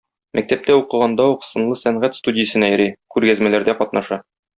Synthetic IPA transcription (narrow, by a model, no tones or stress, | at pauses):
mʔæk̚t̪æp̚t̪æuqɤ̆ʁɑnd̪ɑuqsɤ̆nlˠɤsæɴʁæt̪st̪udʲɪjəsɤ̆næjɘ̆ɾikʉɾɡæzmælæɾd̪æqɒt̪nɑʃɑ